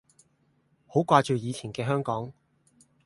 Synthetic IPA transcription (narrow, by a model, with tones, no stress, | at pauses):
ho˨˥wkʷaː˧t͡ʃyː˨jiː˨˧t͡sʰi˨˩nkɛː˧ɦœː˥ŋkɔː˨˥ŋ